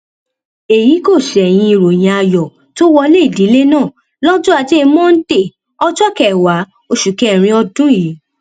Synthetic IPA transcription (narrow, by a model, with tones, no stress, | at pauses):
e˨ji˨˦ko˦˨ʃɛ˨j̃ĩ˧i˨ɾo˨j̃ĩ˧a˧jɔ˨ | to˦wɔ˧le˦i˦˨di˨˦le˦nãː˦˨ | lɔ˦d͡ʒũ˦a˧˨ti˦e˧mɔ̃˦n̩˦te˦˨ | ɔ˦d͡ʒɔ˦kɛ˦˨wa˨˦ | o˧ʃu˨kɛ˨˦˨ɾ̃ĩ˧ɔ˧dũ˦ji˨˦